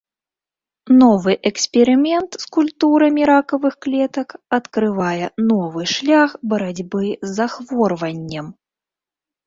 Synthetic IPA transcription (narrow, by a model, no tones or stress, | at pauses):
nɔvɨʔɛksʲpʲɛɾɨmʲɛnt̪skulʲt̪uɾɐmʲiɾakɐvɨxklʲɛt̪ɐkɐt̪kɾɨvajɛnɔvɨʂlʲaxbɐɾad͡zʲbɨzːaxvɔrvɐnʲːɐm